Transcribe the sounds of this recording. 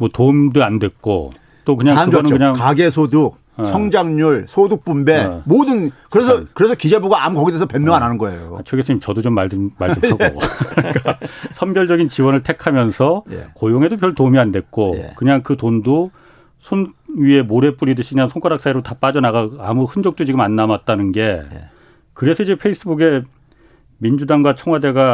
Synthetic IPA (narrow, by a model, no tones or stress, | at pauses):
mwʌtomdɯandwe̞t̚k͈o̰ | t͈ok̬ɯɲaŋkɯɡʌnɯnkɯɲaŋaɡesʰoduk̚ | sʰʌŋd͡ʑaŋɲuɭsʰoduk̚p͈umbemodɯnkɯɾesʰʌkɯɾesʰʌkid͡ʑe̞buɡaamukʌɡidesʰʌpemːjʌŋananɯnɡʌḛjjo̰at͡ɕʰeɡes͈ʰɯɲimt͡ɕʌdot͡ɕomːadɯmaɭsɯʌo̰ik͈asʰʌmbjʌɭd͡ʑʌɡint͡ɕiwʌnɯɭtʰe̞kʰamjʌnsʰʌj̰kojoŋɦe̞dop̬jʌɭtomiandwe̞k͈o̰kɯɲaŋkɯtondo | sʰonɥie̞moɾe̞p͈uɾidɯɕʰikɯɲansʰoŋkwaɾaks͈aeɾotap͈ad͡ʑʌnaɣaamuhɯnd͡ʑʌk̚t͈ot͡ɕiɡɯmanːamat̚t͈anɯnɡe̞j | kɯɾe̞sʰʌid͡ʑe̞pʰe̞is͈ɯbuɡe̞ | mind͡ʑudaŋɡwat͡ɕʰʌŋɦwade̞ɡa